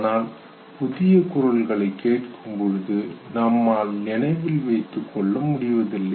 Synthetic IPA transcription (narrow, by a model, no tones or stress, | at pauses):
naːl | pʊðɪjɐkʊɾɐlɡɐɭɐɪkːeːʈkɯmpɔɻɯðɯnɐmːaːlnɪnɐɪʋɪlʋɐɪt̪ːɯkːɔɭːɐmːʊɽɪʋɐðɪlːɐɪ